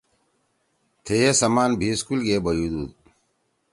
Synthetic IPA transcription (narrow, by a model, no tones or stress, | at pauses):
t̪ʰejesɐmaːnbʱiskulɡeːbɐjud̪ṵːd̪̚